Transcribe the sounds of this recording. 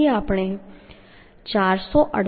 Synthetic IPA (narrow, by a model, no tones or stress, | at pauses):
eaːpɽ̃e | t͡ʃaːɾsɔʔə̰ɽ